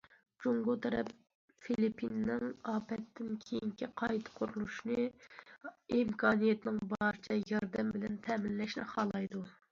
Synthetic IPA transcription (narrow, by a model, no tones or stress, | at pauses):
d͡ʒuŋɡʊt̪ʰɛɾɛp̚ | filipʰːinːɪŋɑːpʰɛt̪ʰːɪnkʲʰejiŋkʲʰiqʰɑjt̪ʰɨ̥qʰoɾulˠuʃnɨ | imkʰɑːnijɛt̪ɪnɪŋbɑɾɨt͡ʃʰɛjɑɾd̪ɛmbɪlɛnt̪ʰɛmɪnlɛʃnɪ̰χɑːlˠɑjd̪u